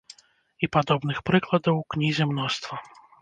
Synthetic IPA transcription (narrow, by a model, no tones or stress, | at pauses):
ipad̪ɔbnɨxpɾɨklˠɐd̪ɐwknʲizʲɛmnɔst̪vɐ